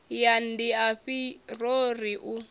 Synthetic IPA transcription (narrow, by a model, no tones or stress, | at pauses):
jandiaɸiroriʔu